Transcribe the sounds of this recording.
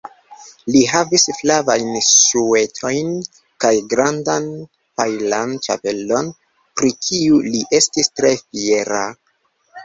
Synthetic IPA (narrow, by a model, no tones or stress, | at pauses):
liɦavisflavajnsue̞tʰo̞jn | kajɡɾandan | pajlant͡ʃa̰pe̞lo̞n | pɾikʰiuliʔe̞stistɾe̞fie̞ɾa